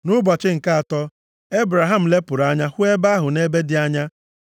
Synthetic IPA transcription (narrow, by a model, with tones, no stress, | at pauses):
nʊ˦ba˨t͡ʃɪ˦ŋ̩˨ka˦a˨tɔ˦ | e˦bɾa˨ɦa˦m̩˨le˦pʊ˨ɾa˦ɲa˦hʊ˦e˦ba˦ɦʊ˨ne˦be˦dɪ˦a˦ɲa˦